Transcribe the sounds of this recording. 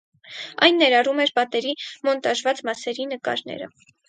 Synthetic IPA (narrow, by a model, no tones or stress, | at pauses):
ɑ̰jnːɛɾɑrumɛɾpɑt̪ɛɾimɔnt̪ɑʃvɑt͡smɑsɛɾinəkɑ̰ɾnɛ̰ɾə̰